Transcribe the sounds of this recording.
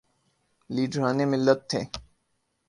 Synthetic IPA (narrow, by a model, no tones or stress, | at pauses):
liːɖʱɾaːnemɪlːət̪ʰːḛː